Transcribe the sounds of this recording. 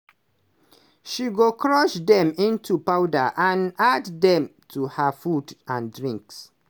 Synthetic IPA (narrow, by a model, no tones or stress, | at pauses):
ʃiɡokɹɔʃdɛ̃mĩntʰupaʊdaʔãnaddɛ̃mtʰuhafudãndɹĩŋks